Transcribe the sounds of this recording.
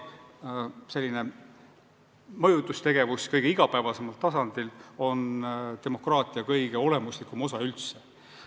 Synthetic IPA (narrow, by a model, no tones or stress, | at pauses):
se̞lːine̞ | mɤjut̪ːˑust̪e̞ɡ̥e̞vuskɤjɡ̥eiɡ̥ɑpæevɑse̞mɑlt̪ːɑsɑnd̪̥ilo̞nt̪e̞mo̞krɑːt̪ˑiɑkɤjɡ̥e̞o̞le̞muslikːˑumo̞sɑylt̪se